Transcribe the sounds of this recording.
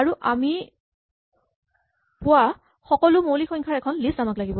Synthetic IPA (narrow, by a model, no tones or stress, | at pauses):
aɹuʔami | pʊa | xɔkɔlʊmolixɔŋkʰaɹɛkʰɔnliszamaklaɡibɔ